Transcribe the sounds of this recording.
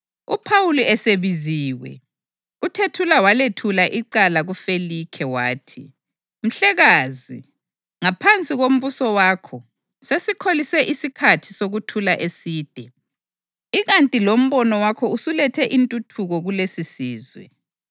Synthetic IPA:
upʰawuluɛseβiziːwɛ̰ | utʰetʰulawaletʰulaʔiǃalaɣufelikʰɛwaːtʰi | m̩ɬɛɣazi | ŋapʰant͡sʼiɣom̩βusɔwaːkʰɔ | sesikʰolisɛʔisikʰatʰi̥soɣutʰulaʔesiːd̥ʱɛ | iɣantʼilom̩βɔnɔwakʰɔusulɛtʰɛʔintʼutʰuɣɔɣulesisiːzwɛ̰

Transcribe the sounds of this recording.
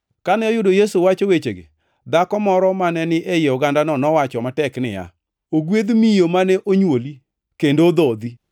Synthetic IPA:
kanɛɔjʊdojesuwat͡ʃowet͡ʃeɡḛ | d̪akɔmɔɾɔmanɛnɪʔejeɔɡandanɔnɔwat͡ʃɔmatɛknɪ̰ja̰ | oɡwed̪mijomanɛʔoɲwoli | kendod̪ɔd̪i

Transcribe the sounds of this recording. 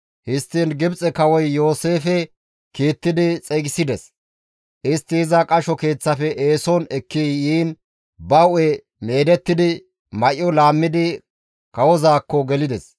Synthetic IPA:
hɪst̪ːiːnɡɪbt͡sʼɛkɐwɔjːo̞ːse̞ːfɛ | kiːt̪ːɪd̪ɪt͡sʼɛɡɪsɪd̪ɛs | ʔɪst̪ːɪhɪzɐkʼɐʃɔke̞ːt͡sːɐfɛʔeːsɔnɛkːijiːn | bɐwɛ | me̞ːd̪ɛt̪ːɪd̪ɪ | mɐʔːɔlaːmːɪd̪ɪ | kɐwɔzaːkːɔɡɛlɪd̪ɛs

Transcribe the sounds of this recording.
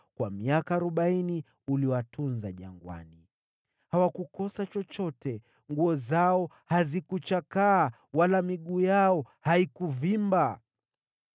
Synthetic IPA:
kwamiakaːɾɔɓaini | uliɔwatʰunzaʄa̰ŋɡwa̰ni | hawakukɔsat͡ʃɔt͡ʃɔtɛ | ŋɡuɔzaɔ | hazikut͡ʃakaː | walamiɠuːjaɔhaikuvimba

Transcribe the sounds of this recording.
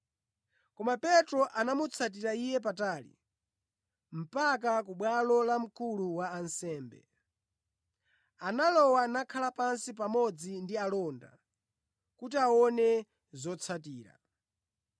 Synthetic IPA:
kɔmapɛtɾɔʔanamut͡sʰat̬iɾaijɛp̬ataːlḭ | m̩pak̬ak̬uɓwalɔlam̩kuluwaːnsɛːmbɛ̰ | analɔwanakʰalapansip̬amɔd͡zindialɔːnda̰ | kutiaɔnɛ | zɔt͡sʰatiːɾa̰

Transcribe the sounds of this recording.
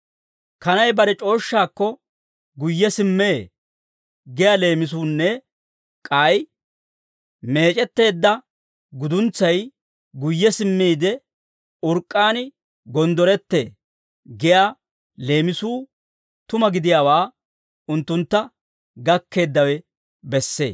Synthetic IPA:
kɐnɐjbɐɾɛt͡ʃʼo̞ːʃːaːkːɔ | ɡʊjːɛsɪmːeː | ɡɛjale̞ːmɪs̬uːnːɛ | kʼaj | me̞ːt͡ʃʼɛt̪ːe̞ːd̪ːɐ | ɡʊd̪ʊnt͡sːɐj | ɡʊjːɛsɪmːiːd̪ɛ | ʊɾkʼːaːnɪ | ɡɔnd̪ɔɾɛt̪ːḛː | ɡɛjaː | le̞ːmɪsuː | t̪ʊmɐɡɪd̪ɪjaːwaː | ʊnt̪ːʊnt̪ːɐ | ɡɐkːe̞ːd̪ːɐwɛ | bɛsːḛː

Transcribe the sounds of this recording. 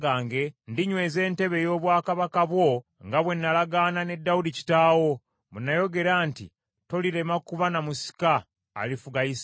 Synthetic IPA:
ɡaːŋɡe̞ndiɲwe̞ːze̞ːnte̞βe̞jo̞ːβwaːkaβakaβwo̞ | ŋɡaβwe̞nːalaɡaːnane̞dːaudici̥taːwo̞ | munːajo̞ɡe̞ɾaːntḭ | to̞liɾe̞makuvanamusi̥ka̰ː | lifuɡajis

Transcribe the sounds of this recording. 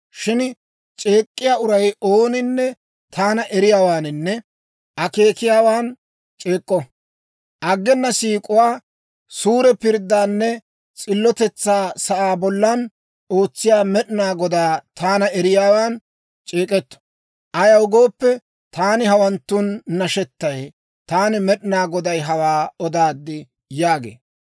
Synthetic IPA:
ʃɪn | t͡ʃʼe̞ːkʼːɪjaːʔʊɾɐjoːnɪnːɛ | t̪ʰaːnɐʔɛɾɪjaːwaːnɪnːɛ | ʔɐke̞ːkɪjaːwaːn | t͡ʃʼeːkʼːɔ | ʔɐɡːɛnːɐsiːkʼʊwaː | suːɾɛpɪɾd̪ːaːnːɛ | t͡sʼɪlːɔt̪ɛt͡sːaːsɐʔaːbɔlːɐn | o̞ːt͡sːɪjaːmɛɗɪnaːɡɔd̪aːt̪ʰaːnɐɛɾɪjaːwaːn | t͡ʃʼeːkʼɛt̪ːɔ̥ | ʔɐjɐwʊɡo̞ːpːɛ | t̪aːnɪhɐwɐnt̪ːʊnːɐʃɛt̪ːɐj | t̪aːnɪmɛɗɪnaːɡɔd̪ɐjɦɐwaːɔd̪aːd̪ːɪ | jaːɡḛː

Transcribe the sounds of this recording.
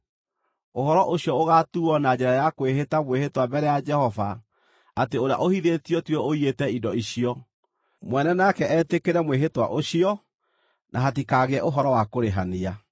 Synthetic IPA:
oɦɔɾɔʔoɕjɔoɣatuɔnad͡ʑɛɾajakweɦetamwehetwabɛɾɛjad͡ʒɛhɔvaː | teoɾea̰ʔohiðetiɔtwɛoietɛidɔiɕiɔ | mwɛnɛnakɛʔɛtekeɾɛmweɦetwa̰ʔoɕiɔ | nʔaɦat̬ikaɣeɛʔoɦɔɾɔwakoɾeɦania

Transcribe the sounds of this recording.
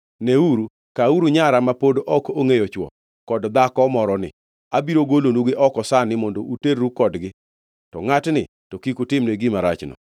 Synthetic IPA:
neuɾu | kauɾuɲaɾamapodoʔɔkoŋejɔt͡ʃwɔ̰ | kɔdd̪akɔmɔɾɔnɪ̰ | abiɾoɡolonuɡɪʔɔkɔsanɪmɔndoʔuteɾːukɔdɡɪ | tɔŋatnɪ | tɔkikutɪmneɡɪmaɾa̰t͡ʃnɔ̰

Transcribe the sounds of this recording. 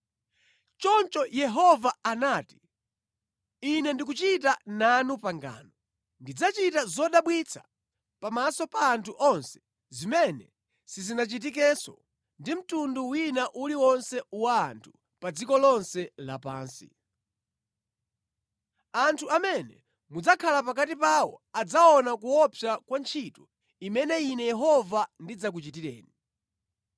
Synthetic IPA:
t͡ʃɔnt͡ʃɔjɛɦɔvaanaːti̥ | inɛndik̬ut͡ʃit̬ananupaŋɡa̰ːnɔ | ndid͡zat͡ʃitazɔɗaɓwit͡sʰḁ | pamasɔpaːntʰuʔɔnsɛ̥ | zimɛnɛ | sizinat͡ʃit̬ik̬ɛsɔ | ndim̩tunduwinaʔuliwɔnsɛwaːntʰu̥ | pad͡zikɔlɔnsɛla̰pa̰ːnsḭ | antʰuamɛnɛ | mud͡zakʰalapak̬atipawɔ̰ad͡zaɔnakuɔpʰjakwant͡ʃʰitɔ | imɛnɛinɛjɛɦɔvandid͡zak̬ut͡ʃit̬iɾɛ̰ːni

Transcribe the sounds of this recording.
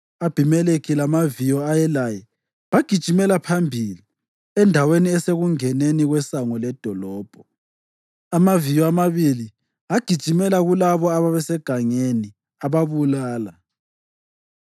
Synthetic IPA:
ab̥ʱimɛlekʰilamavijɔajɛlajɛ | βaɡ̥ʱid̥ʒ̥ʱimɛlapʰambʱili | ɛndʱaweniɛseɣuŋɛneniɣwɛsaŋɔlɛd̥ʱɔlɔːb̥ʱɔ | amavijɔamaβili | aɡ̥ʱid̥ʒ̥ʱimɛlaɣulaβɔaβaβɛsɛɡ̥ʱaŋeni | aβaβulaːla

